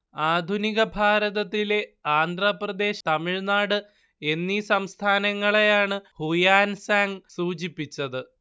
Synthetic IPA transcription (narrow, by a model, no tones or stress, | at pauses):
aːd̪ʱuniɣɐbʱaːɾɐðɐt̪ːileaːnd̪ʱrɐprɐd̪e̞ːɕt̪ɐmiɻnaːɽɨ | e̞nːisɐmst̪ʰaːnɐŋːɐɭejaːɳɨhujaːnsaːŋsuːt͡ɕipːit͡ɕːɐðɨ